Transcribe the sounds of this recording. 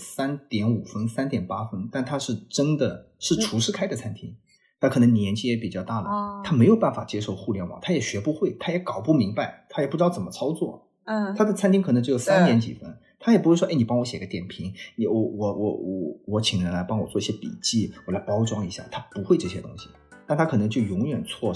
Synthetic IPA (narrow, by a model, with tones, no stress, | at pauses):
sa˥nt̪jɛ˧˥nu˨˩fə˥nsa˥nt̪jɛ˨˩npa˥fə˥nt̪a˥˩nt̪ʰa˥ʂɻ̩˥˩ʈ͡ʂə˥nd̪ə˨ | ʂɻ̩˥˩ʈ͡ʂʰu˧˥ʂɻ̩˥˧kʰa˥ɪd̪ə˨t͡sʰa˥nt̪ʰi˥ŋ | t̪ʰa˥˩kʰɤ˨˩nɤ˧˥ŋni˨˩jɛ˧˥nt͡ɕʰi˥jɛ˧˥pi˨˩t͡ɕjɑ˥˧ʊt̪a˥˩d̪ə̰˩t̪ʰa˥me˧˥ɪjo˨˩ʊpa˥˩nfa˨˩t͡ɕjɛ˥ʂo˥˧ʊxu˥˧ljɛ˥˩nwɑ̰˨˩ŋt̪ʰa˥jɛ˨˩ɕɥɛ˧˥pu˧˥xwe˥˩ɪt̪ʰa˥jɛ˧˥kɑ˨˩ʊpu˥˩mi˧˥ŋpa˧ɪt̪ʰa˥jɛ˨˩pu˥˩ʈ͡ʂɻ̩˥d̪t͡sə˨˩mə˦t͡sʰɑ˥ʊt͡swɔ˥˩ | t̪ʰa˥d̪ə˨t͡sʰnt̪ʰi˥ŋkʰn˧˥t͡ɕjo˥˩ʊo˨˩ʊsa˥nnjɛ˧˥nt͡ɕḭ˨˩fə˥n | t̪ʰa˥jpu˧˥xwwɔ˥e˥˩ni˨˩pɑ˥ŋwɔ˧˥ɕjɛ˨˩ɡə˦t̪jɛ˨˩npʰi˧˥ŋ˧wɔ˧˩wɔ˨˩wɔ˧˩˥wɔ˧˩wɔ˧˥t͡ɕʰi˨˩ŋɻə˧˥nla˧˥ɪpɑ˥ŋwɔ˨˩t͡swɔ˥˧i˥ɕjɛ˥pḭ˨˩t͡ɕi˥˩wɔ˨˩la˧˥ɪpɑ˥ʊʈ͡ʂwɑ˥ŋi˧˥ɕja̰˥˩t̪ʰa˥pu˧˥xwe˥˧ɪʈ͡ʂɤ˥˩ɕjɛ̰˥t̪ʊ̰˥ŋɕi̥˨ | t̪a˥˩nt̪ʰa˥kʰɤ˨˩nɤ˧˥ŋt͡ɕjo˥˩ʊjʊ˧˥ŋɥɛ˨˩nt͡sʰwɔ˥˩